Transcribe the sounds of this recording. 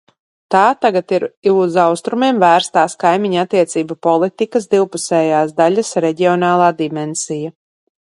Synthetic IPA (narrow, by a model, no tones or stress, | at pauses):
t̪aːt̪aɡat̪iɾuzawst̪ɾumiɛmvæːɾst̪aːskajmʲiɲat̪ːiɛt̪siːbapɔlˠit̪ikas̬d̪iwpusɛːjaːsd̪aʎʲasɾɛɟiɔnaːlˠaːd̪imɛnsija